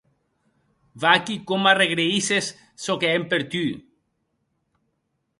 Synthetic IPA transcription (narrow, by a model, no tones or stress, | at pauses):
vakikomareɣɾeisesː | okeempeɾt̪y